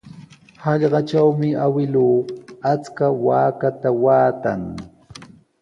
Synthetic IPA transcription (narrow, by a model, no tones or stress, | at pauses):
hɑʎɢɑt͡ʃawmɪawɪluːat͡skawaːkat̪awaːt̪aŋ